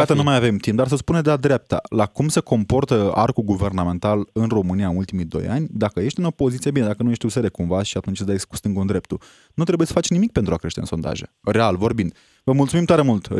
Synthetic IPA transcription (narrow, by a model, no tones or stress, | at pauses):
jat̪ənumajave̞mt̪imp̚d̪ars̬əspuned̪ead̪ɾap̚t̪a̰lakumse̞ko̞mpo̞rt̪əa̰rkuɡuve̞rname̞nt̪alɨnro̞mɨniaɨnult̪imijd̪o̞̰ja̰nʲd̪akəje̞ʃt̪ɨno̞po̞zit̪sijebined̪akənuje̞ʃt̪ʲuseɾekumvaʃiat̪unt͡ʃ̪d̪ajsku̥st̪ɨŋɡund̪ɾe̞p̚t̪u | nut̪ɾe̞buje̞sə̥fat͡ʃnimik̚pent̪ɾuakɾe̞ʃt̪e̞ɨ̰nso̞nd̪a̰ʒere̞alvo̞rbind̪̥ | vəmult̪sumimt̪oaɾemult̪